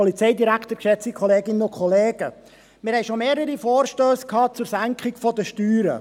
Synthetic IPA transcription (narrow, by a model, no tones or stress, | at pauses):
ɔlit͡sɛɪdiɾækχt̪əɾkʃɛt͡sikʰχɔleːɡɪnənʊkʰχɔleːɡ̥ə | mɪɾhɛɪʃomeːɾəɾifoːɾʃtøːskʰɑːt͡suɾsæŋkχɪɡfɔd̪əʃtyːɾə̰